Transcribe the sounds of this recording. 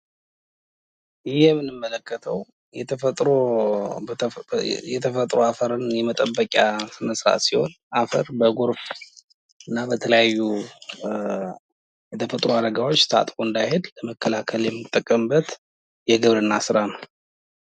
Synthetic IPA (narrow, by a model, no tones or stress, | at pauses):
ɪjɛmːɨnːɨmːələkʰːət̪ʰəw | jɛt̪ʰəət̪ʼɾo | jɛt̪ʰəfət̪ʼɾoafəɾɨnjɛmət̪ʼəbːəkʲʼasɨnəsɾa̰siho̞̰nʔafəɾbəɡoɾf | ɨnːabət̪ʰələjajːu | jɛt̪ʰəfət̪ʼɾoad̪əɡawo̞t͡ʃːt̪ʰa̰t̪ʼkoɨnd̪ajhed̪ləməkʰːəlakʰəljɛmːɨt̪ʼːəkʼːəmbət̪ | jɛɡɨβɾɨnːasɨɾanəw